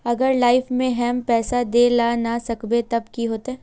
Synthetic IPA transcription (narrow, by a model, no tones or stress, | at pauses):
ɐɡəɾlaːɪfmẽɦɛːmpɛːsad̪eːlanasɐkbet̪ɐbkiɦoːt̪ɦɛː